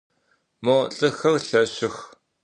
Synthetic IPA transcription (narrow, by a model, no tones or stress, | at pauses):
moɬʼɨxɐrɬɐɕɪx